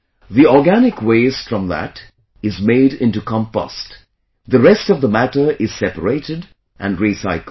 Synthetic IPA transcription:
ðiɔɹɡænɪkweɪz̥fɹʌ̃mðə̰t | ɪzmeɪɾɪ̃ntukʰɑ̃mpʌ̰st | ðəɹɛstʌvðəmætə˞ʔɪz̥sɛpəɹeɪtɨd | ʔɨ̃nɹisaɪkl

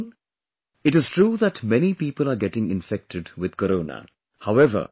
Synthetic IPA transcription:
ɪʈɪzʈɾuːðæʈmɛnipiːpəlaːɾɡɛʈɪ̃ŋɪ̰̃nfɛk̚ʈʰɪɖwɪd̪̥̚kɔɾoːnə̰ | haʊɛʋə̰

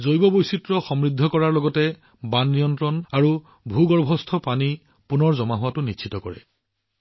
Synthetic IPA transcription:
zojbɔbojsitɹɔxɔmɹid̪ʱːɔkɔɹaɹlɔɡɔtɛ | banːijɔntɹɔnaɹu | bʱuɡɔɹbʱɔstʰɔpani | punɔɹzɔmaɦʊwatʊnit͡ʃʰitɔkɔɹɛ̰

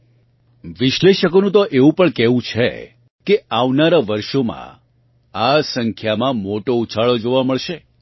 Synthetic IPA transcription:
ʋɪʃleʃəkonũt̪oʔeʋũpəɳkɛʋũt͡ʃʰḛ | keaʋnaɾaʋəɾʃomã̰ | asəŋkʰjamãmoʈout͡ʃʰaɭod͡ʒoʋaməɭʃe

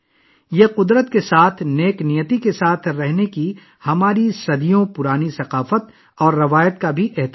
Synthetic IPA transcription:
jeqʊd̪ɾət̪kesaːt̪ʰneːknijət̪ikesaːt̪ʰɾɛɦneki | hɐmaːɾisɐd̪ijõpʊɾaːnisɐqaːfət̪ | ɔːɾːɐʋaːjət̪kabʱiʔɪɦt̪

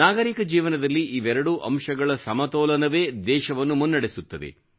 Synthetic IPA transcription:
naːɡɐɾikɐd͡ʒiːʋɐnɐd̪ɐlːiʔiʋɛɾɐɽuʔɐ̰mʂɐɡɐɭɐsɐmɐt̪ɔːlɐnɐʋe̞ːd̪ɛːʃɐʋɐnːumunːɐɽesut̪ːɐd̪ḛ

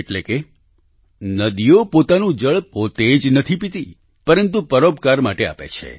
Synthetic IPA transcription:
eʈleke | nəd̪ijopot̪anũd͡ʒəɭpot̪ed͡ʒnət̪ʰipit̪i | pəɾənt̪upəɾobkaɾmaʈea̰pḛt͡ʃʰḛ

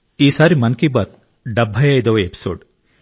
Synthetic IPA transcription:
iːsaːɾimɐnkibɐt̪̚ | ɖɐbʱːɐjaːjd̪ɐʋepi̥so̰ːɖ

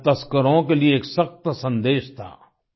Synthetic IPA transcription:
t̪ɐskəɾõkelieːksɐxt̪sɐ̃nd̪eːʃt̪ʰa̰ː

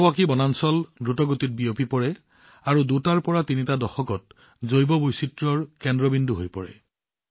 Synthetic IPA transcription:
wakibɔnansɔldɹutɔɡotit̚biopipɔɹɛ | aɹudutaɹpɔɹatinitadɔxɔkɔt̚ | zojbɔbojsitɹɔɹkɛndɹɔbindʱuɦojpɔ̰ɹɛ̰

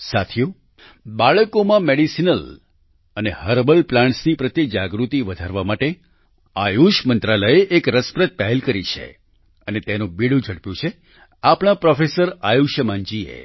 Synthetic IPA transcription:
sat̪ʰijo | baɭəkomãmeɽisinəl | ənehəɾbəlplãɳʈsnipɾət̪jid͡ʒaɡɾut̪iʋəd̪ʱaɾʋamaʈe | ajuʃmənt̪ɾaləeʔekɾəspɾət̪̚pɛɦelkəɾit͡ʃʰḛ | ənet̪enũbiɽũd͡ʒʱəɽpjũt͡ʃʰe | apɳ̃ãpɾɔfesəɾajuʃjəmãɲd͡ʒiḛ

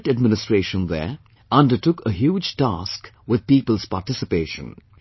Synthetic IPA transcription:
ʈəɖ̚mɪnɪsʈɹeːʃə̃nðɛ̰ː | ʌ̃nɖəʈʊkəɦjuːd͡ʒʈa̰ːsk | wɪd̪̚piːpəlˠz̥paːʈɪsɪpeːʃə̰̃n

